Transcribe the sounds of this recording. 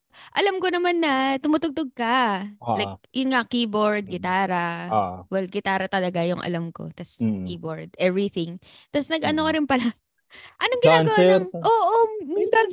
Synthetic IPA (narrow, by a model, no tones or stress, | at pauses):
ʔɐlamkonɐmanːɐt̪ʊmʊt̪ʊɡ̚t̪oɡ̚kɐlajk̚jʊnŋakiːboɹd̪̚ɡɪt̪aːɾɐʔwɛlɡɪt̪aːɾɐt̪ɐlɐɡajʊŋʔɐ̰lamko̞̰t̪ɐskiːboɹd̪̚ɛvɹiθɪŋ | t̪asnɐɡʔɐnokɐɾɪnpɐla | ʔɐnoŋɡɪaɡɐwaɛʔoːʔoɪt̪a